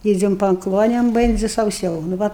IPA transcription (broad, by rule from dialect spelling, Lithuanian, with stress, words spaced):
ˈiːd͡zʲɛm pɐ ˈklˠoːnʲɛm ˈbʲɛnʲd͡zʲɪ sɐʊˈsʲɛʊ nʊ ˈʋɐ